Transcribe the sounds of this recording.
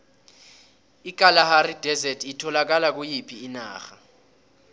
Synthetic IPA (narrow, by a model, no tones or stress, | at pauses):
ik̬ʼalaharidʱɛzɛtʰitʰɔlak̬alak̬ujipʰiːna̰ːxa